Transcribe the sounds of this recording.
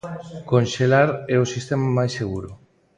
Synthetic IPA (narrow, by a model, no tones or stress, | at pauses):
konʃelaɾɛosist̪emamajseɣ̞uɾo